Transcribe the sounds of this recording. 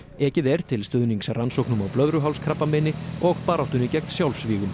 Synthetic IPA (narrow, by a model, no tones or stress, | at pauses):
ɛːcɪðɛɾ̥t̪ʰɪlst̪ʏðniŋksransowknʏmawplœðɾʏɦawlskʰɾapːamɪnɪɔɣpaːɾawht̪ʏnicɛknsjawlsviːɣʏm